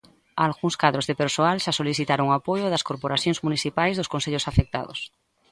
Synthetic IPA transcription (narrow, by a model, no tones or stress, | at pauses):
alɣuŋskað̞ɾozðepeɾsoalʃasoliθit̪aɾuŋapojoðɐskoɾpoɾaθjõŋzmuniθipajzðoskõnseʎosafek̚t̪a̰ðo̰s